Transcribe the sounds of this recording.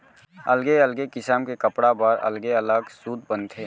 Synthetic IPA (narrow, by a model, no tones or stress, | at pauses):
əlɡeəlɡekɪsaːmkekəpɽabəɾɐ̰lɡeələɡsuːd̪̚bənt̪ʰeː